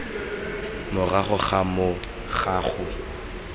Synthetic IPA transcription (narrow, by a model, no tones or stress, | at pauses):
mʊraχʊχamʊ | χaχʊ